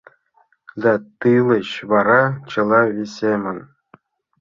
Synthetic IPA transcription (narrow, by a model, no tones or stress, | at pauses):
d̪ɑt̪ɯlˠɤ̆ɕβɑɾɑt͡ɕɤ̆lˠɑvʲisʲemɤ̆n